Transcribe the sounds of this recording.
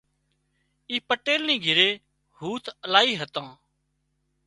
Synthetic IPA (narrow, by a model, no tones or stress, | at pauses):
iːpəʈeːlnĩːɡʱɪɾeː | huːt̪ʰəlaːiːɦət̪ãː